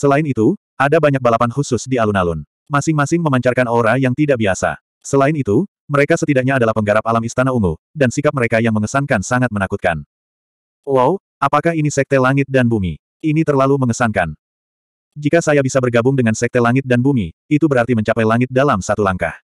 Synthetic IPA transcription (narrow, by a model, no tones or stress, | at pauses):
səlaɪnit̪u | ʔadabaɲak̚balapanhusʊsdialunalʊn | masɪŋmasɪŋməmaɲt͡ʃarkanoɾajaŋt̪idaʔbiasa̰ | səlaɪnit̪u | məɾekasət̪idak̚ɲaːdalahpəŋɡaɾap̚alamist̪anauŋu | dansikap̚məɾekajaŋməŋəsaŋkansaŋat̪̚mənakut̪̚ka̰n | waw | ʔapakaɦinisɛk̚t̪ɛlaŋɪt̪̚danbumḭ | init̪ərlaluməŋəsaŋkan | d͡ʒikasajabisabərɡabʊŋdəŋansɛk̚t̪ɛlaŋɪt̪̚danbumiit̪ubəɾart̪iməɲt͡ʃapajlaŋɪt̪̚dalamsat̪ulaŋka̰h